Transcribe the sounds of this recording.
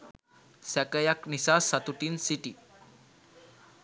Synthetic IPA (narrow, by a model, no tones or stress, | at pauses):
sɛkəjaknisasat̪uʈinsiʈi